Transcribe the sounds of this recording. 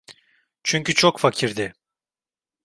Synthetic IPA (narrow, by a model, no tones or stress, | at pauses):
t͡ʃʰyɲcyt͡ʃʰokfacʰiɾd̪ɪ